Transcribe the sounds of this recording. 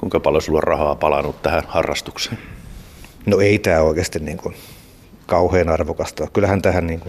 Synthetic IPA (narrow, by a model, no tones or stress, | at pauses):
kuiŋkɑpɑlosiluɑrrɑhɑːpɑlɑnut̪t̪æhænhɑrːɑ̰st̪u̥kse̥ːn | noeit̪æːoˑikest̪inniːŋkun | kɑuheːnɑrʋokɑst̪ɑːkkylæhænt̪æhænniːŋku